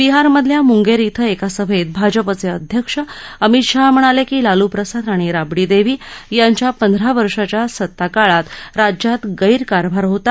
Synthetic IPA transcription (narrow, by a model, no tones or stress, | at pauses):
biɦaɾməd̪ʱljamuŋɡeɾit̪ʰəekasəbʱet̪̚bʱad͡ʑəpət͡seəd̪ʱjəkʂəəmit̪ʂam̤əɽ̃alekiːlalupɾəsad̪aɽ̃iɾabɽid̪eʋiːjaɲt͡ɕjapənd̪ʱəɾaʋəɾʂat͡ɕjasət̪ːakaɭat̪ɾad͡ʑjat̪ɡəiɾkaɾbʱaɾɦot̪a